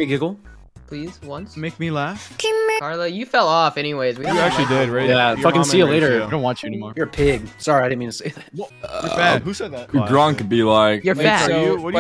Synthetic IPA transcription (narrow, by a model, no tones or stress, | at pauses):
ɪɡɪɡl̩ˠ | ppʰl̥iz̥wʌ̃nsmeɪk̚milæfkʰɪ̃mɑɹləjɨfɛlˠɔfɛñiweɪzwiwiæk̚t͡ʃʉl̩ˠidɪd̚ɹajæfʌkɨ̃nsijɨleɪɾə˞õʊ̃nwɑt͡ʃɨɛnimɔɹjə˞pʰɪɡ̚sɑɹiaɪɾɪdn̩mĩtʰɨseɪðæwjə˞fæhʉsɛd̪̚ðæɨdɹʌ̃ŋkɨd̚bilaɪkjə˞æwʌ